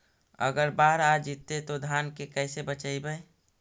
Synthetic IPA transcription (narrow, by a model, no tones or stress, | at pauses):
ə̰ɡəɾbaːɦəɾad͡ʒit̪ːet̪od̪ʱaːnkekɛːsebət͡ʃaːibəe